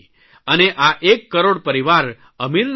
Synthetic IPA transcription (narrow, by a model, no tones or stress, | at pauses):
əneʔaʔekːəɾoɽpəɾiʋaɾ | əmiln